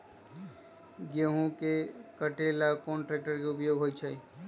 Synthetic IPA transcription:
ɡeɦũkekəʈelakɔːnʈɾeːk̚ʈəɾkeʊpjoːɡʱɦoːit͡ʃʰa

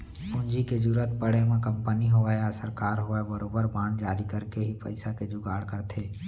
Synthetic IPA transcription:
ʊnd͡ʒiked͡ʒuːɾət̪̚pəɽemẽkə̃mpəniɦoʋaeasəɾkaːɾɦoebəɾoːbəɾbãːnd͡ʒaːɾikəɾkeɦipə̰ɪsaked͡ʒʊɡaːɽkəɾt̪ʰeː

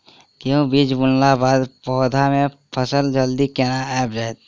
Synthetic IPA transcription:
kiũbiːd͡ʒbʊnlabaːd̪pɔːd̪ʱamẽpʰəsəld͡ʒəld̪ikeːnaɛːpd͡ʒaːet̪

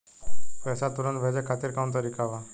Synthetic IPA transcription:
pɛjsat̪uɾənt̪bʱəjd͡ʑakʰat̪iːɾkʰawnt̪əɾikaʋa

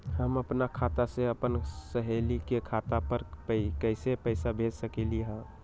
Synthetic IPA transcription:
ɦəməpnakʰat̪aseəpənsəɦelikekʰat̪apəɾkəɪsepəɪsabʱed͡ʒsəkeliɦə̃

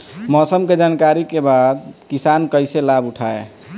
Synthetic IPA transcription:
mɔsəmked͡ʒankaɾikebad̪kisankəɪselabuʈʰae

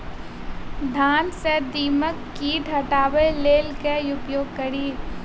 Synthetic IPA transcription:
d̪ʱaːnsed̪iːməkːiːʈɦɐʈaːʋejleːlkeʊpjoːɡ̚kɐɽiː

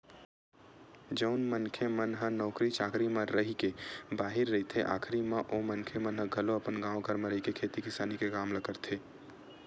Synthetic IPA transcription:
d͡ʒəʊnmənkʰemənɦənɔʊkɾit͡ʃʰaːkʰɾimə̃ɾəɦikebaɦiɾːəɦit̪ʰeʔa̰kʰɾimãʔomənkʰemənɦəɡʱəloəpənɡãːwɡʱəɾmeɾəikekʰet̪ikɪsaːnikekaːmləkəɾt̪ʰe

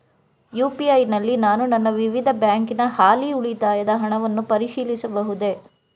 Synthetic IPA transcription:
juːpiɐjnɐlːinaːnunɐnːɐʋiʋid̪ʱɐbjaːŋkinɐhaːliuɭit̪aːjɐd̪ɐɦɐɳɐʋɐnːupɐɾiʃiːlisɐbɐɦud̪e̞

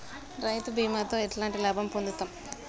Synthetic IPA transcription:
ɾɐjt̪ubiːmaːt̪oːeʈlaːɳʈilɐːbʱɐmpond̪ut̪aːm

